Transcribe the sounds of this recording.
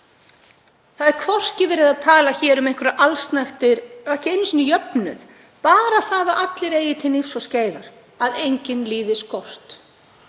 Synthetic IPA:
θaðɛɾkʰvɔr̥cɪvɛːɾɪðaðt̪ʰaːlaçɛːɾʏmejŋkʰvʏɾaʔalst̪najxt̪ɪɾahcɪejnːsinɪjœpnʏ̰ð | paːɾaθaːðaʔat̪lɪɾeːjɪt̪ʰɪnɪfsɔsceːjva̰ɾ̥ | aðejɲcɪnliːðɪskʰɔr̥t̪

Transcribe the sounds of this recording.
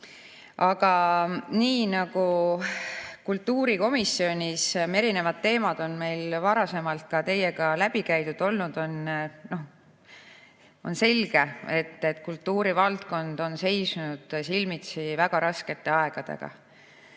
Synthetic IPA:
ʔɑɡ̥ɑniːnɑɡ̥u | kult̪ːuːɾiko̞misːio̞nʲise̞ɾine̞vɑd̪̥̚t̪ːe̞ːmɑd̪̥o̞nme̞jlvɑɾɑse̞mɑlt̪̚kɑt̪e̞jeɡɑlæb̥ikæjt̪ud̪̥o̞lnud̪̥o̞nno̞h | o̞nse̞lɡ̥e̞e̞t̪ːet̪ːkult̪ːuːɾivɑlt̪ko̞nd̪o̞nse̞jsnud̪̥silmit̪sivæɡ̥ɑɾɑske̞t̪ːe̞ɑe̞ɡ̥ɑd̪̥e̞̰ɡ̥ɑ̰

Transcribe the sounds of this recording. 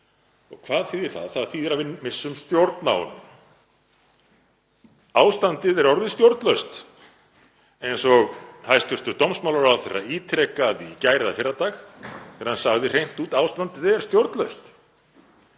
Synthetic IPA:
ɔ̰ɣkʰvaːðθiːðɪɾ̥θa̰ðθaðθiðɛɾavɪmɪsːʏmst̪jowɾt̪na̰ːwʏ̰nʏ̰m | aːwst̪ant̪ɪðɛɾɔɾðɪst̪jowɾt̪lœɥst̪ | ejnsɔɣhajst̪ʏst̪ʏɾt̪owmsmawlaɾawθɛrːa̰iːt̪ʰɾɛkaðicaːjɾɪðafɪɾat̪axθɛːɾ̥hansaɣðɪr̥ejn̥t̪uːt̪aːwst̪ant̪ɪðɛɛɾ̥st̪jowɾt̪lœɥst̪

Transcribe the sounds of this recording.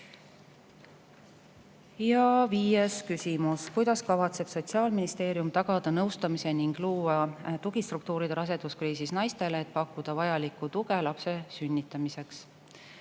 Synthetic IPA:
jɑviːjeskysʲimuskujd̪̥ɑskɑvɑt̪se̞b̥so̞t̪ʲsiɑːlminist̪e̞ːɾijumt̪ɑɡ̥ɑd̪̥ɑnɤwst̪ɑmise̞niŋɡ̥luːɑt̪uɡ̥ist̪ruk̚t̪uːɾid̪̥eɾɑs̬e̞t̪uskriːsisnɑjst̪e̞leːt̪̚pɑkːud̪̥ɑvɑjɑlikːˑut̪uɡ̥e̞lɑpse̞synʲːit̪ːˑɑmise̞ks

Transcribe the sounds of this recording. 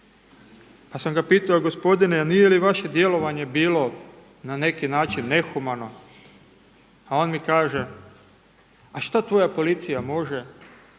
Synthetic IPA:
pasamɡapiːt̪aoɡo̞spo̞d̪ineanijeliʋaʃe̞d̪je̞lo̞ʋaɲe̞biːlo̞ | nane̞kinaːt͡ʃinːe̞xumano̞ | ao̞nmikaːʒe̞ | aʃt̪at̪ʋo̞japo̞lit̪sijamo̞ʒe̞

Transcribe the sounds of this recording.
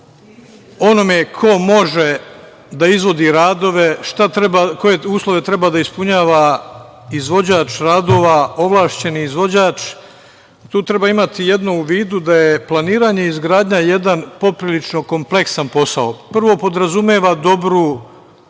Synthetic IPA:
o̞no̞mekʰo̞mo̞ʒe | d̪aizʋo̞d̪iɾaːd̪o̞ʋeʃt̪aɾako̞je̞uːslˠo̞ʋe̞t̪ɾe̞bad̪aispuɲaːʋa | izʋo̞d͡ʑaːt͡ʃɾaːd̪o̞ːʋao̞ʋlˠaːʃt͡ɕe̞niːzʋo̞d͡ʑaːt͡ʃ | t̪uːt̪ɾe̞baːimat̪ije̞d̪nouʋiːd̪ud̪aje̞plˠaniːɾaːɲe̞izɡɾaːd̪ɲaje̞d̪anpo̞pɾilit͡ʃno̞ko̞mple̞ksanpo̞saopr̩ʋo̞po̞d̪ɾazumjeːʋad̪o̞bɾu

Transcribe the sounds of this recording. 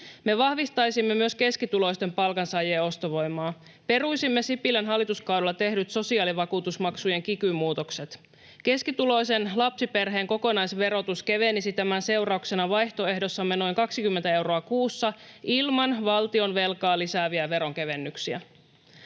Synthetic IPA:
me̞ʋɑhʋist̪ɑjsimːe̞myøske̞skit̪ulo̞jst̪e̞mpɑlkɑnsɑjeːo̞st̪oʋo̞jmɑː | pe̞rujsimːe̞sipilænɦɑlːit̪uskɑwdelːɑt̪e̞hdyt̪so̞siɑːliʋɑkuːt̪usmɑksuje̞ŋkikymːuːt̪o̞kse̞t̪ | ke̞skit̪ulo̞jse̞nlɑpsipe̞rɦe̞ːŋko̞ko̞nɑjsʋe̞ɾo̞t̪uske̞ʋe̞nisit̪æmænse̞wrɑukse̞nɑʋɑjht̪o̞e̞ɦdo̞sːɑmːe̞no̞jŋkɑksikymːent̪æe̞wro̞ɑkuːsːɑilmɑnʋɑlt̪io̞nʋe̞lkɑːlisæːʋiæʋe̞ɾo̞ŋke̞ʋe̞nːyksiæ̰

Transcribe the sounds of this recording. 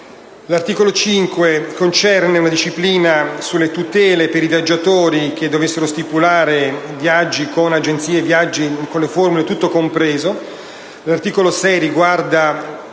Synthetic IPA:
lart̪iːkolot͡ʃiŋkwekont͡ʃɛrneunad̪iʃːipliːnasulːet̪ut̪ɛːlepeɾivjad͡ʒːat̪oːɾik̟ed̪ːovesːeɾost̪ipulaːɾevjad͡ʒːikonad͡ʒent̪siːevjad͡ʒːikonleformulet̪ut̪ːokompɾɛːzo | lart̪iːkolosɛjɾiɡward̪a

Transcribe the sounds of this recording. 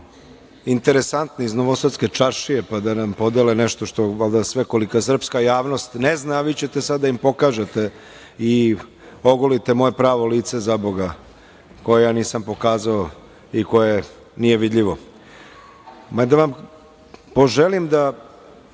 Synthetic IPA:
int̪e̞ɾesant̪noiznoʋosad̪ske̞t͡ʃaɾʃijepad̪anampo̞d̪eleneʃt̪o̞ʃt̪o̞ʋalˠd̪asʋe̞ko̞likas̬r̩pskajaːʋno̞st̪neznaʋit͡ɕe̞t̪e̞sad̪ːaimpo̞kaʒet̪e̞ | i | oɡolit̪emo̞jepɾaːʋo̞liːt̪sezaboɡa | ko̞jejaːniːsampo̞kaːzao | iko̞je | nije̞ʋid̪ʎiʋo̞ | mad̪aʋam | po̞ʒelimd̪a

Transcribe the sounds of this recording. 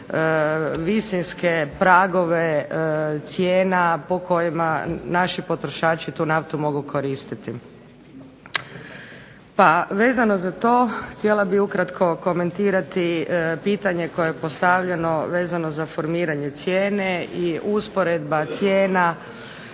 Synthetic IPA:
ʋisinskepɾaɡo̞ʋe | t̪sjeːnapo̞ko̞jimanaʃipo̞t̪ɾoʃaːt͡ʃit̪uːnaft̪umo̞ɡukʰo̞ɾiːst̪it̪i | paʋe̞ːzano̞zat̪o̞ːxt̪jelabiukɾat̪kʰo̞ko̞me̞nt̪iːɾat̪ipit̪aɲe̞ko̞jeepo̞st̪aʋʎe̞no̞ʋe̞ːzano̞zafo̞ɾmiːɾaɲe̞t̪sjeːneiuspo̞ɾed̪bat̪sjeːna

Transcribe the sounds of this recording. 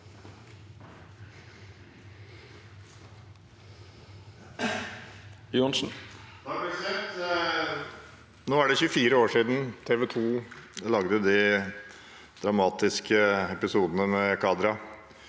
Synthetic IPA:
junʂn̩ | sɛt̪ | noːæɖɛçʉəfiːɾəoːʂiːd̪n̩t̪ʰeːʋɛt̪ʰuːlɑɡd̪əd̪ɪ | d̪̥ɾɑmɑːt̪ɪskəɛpɪsuːd̪ənəmɛkʰɑːd̪ɾɑ

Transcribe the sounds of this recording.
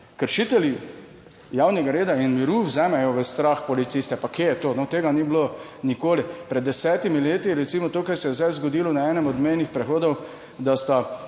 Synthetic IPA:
kəɾʃit̪ɛli | jaːwnɛɡaɾeːd̪ainmiɾuwzɛːmɛjɔʋəst̪ɾaxpɔlit̪sist̪ɛpakejɛt̪oːnɔt̪eːɡaniblo | nikoːlipɾɛd̪ːɛsɛːt̪imileːt̪iɾɛt̪simɔt̪oːkajsɛjɛzd̪ajzɡɔd̪iːlɔnaɛːnɛmɔd̪mejnixpɾɛxoːd̪ɔw | d̪ast̪a

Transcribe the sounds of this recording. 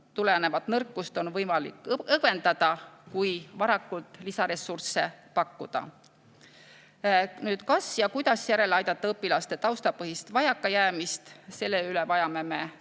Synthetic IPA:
t̪ulene̞vɑt̪nɤrkːˑust̪o̞nvɤjmɑlḭkːˑɤve̞nd̪ɑd̪̥ɑkujvɑɾɑkːˑult̪ˑlisɑɾe̞sːurse̞pɑkːud̪̥ɑ̰ | nyːd̪̥kɑsjɑkujd̪̥ɑsjæɾe̞lɑjd̪̥ɑt̪ːɑɤpːˑilɑst̪e̞t̪ɑwst̪ɑpɤɦist̪vɑjɑkːɑjæːmist̪se̞lːe̞ylevɑjɑme̞me̞

